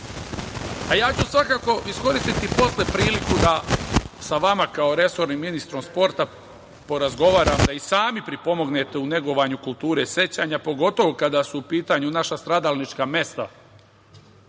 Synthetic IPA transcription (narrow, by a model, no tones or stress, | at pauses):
ajaːt͡ɕusʋakako̞ʔisko̞ɾist̪it̪ipo̞slepɾiːlikud̪asaʋamakao̞ɾe̞so̞ɾnimːinist̪ɾo̞mspo̞ɾt̪a | po̞ɾazɡo̞ʋaːɾamd̪aisaːmipɾipo̞mo̞ɡne̞t̪e̞une̞ɡo̞ʋaɲukulˠt̪uːɾe̞se̞t͡ɕaɲapo̞ɡo̞t̪o̞ʋokad̪asuupiːt̪aɲunaʃast̪ɾad̪alnit͡ʃkame̞st̪a̰